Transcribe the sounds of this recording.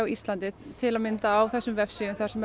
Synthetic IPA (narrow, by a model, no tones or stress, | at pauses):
wist̪lant̪ɪt̪ʰːɪlaðmɪnt̪aːwθɛsːʏmvɛfsiʏmθḁsɛmɛ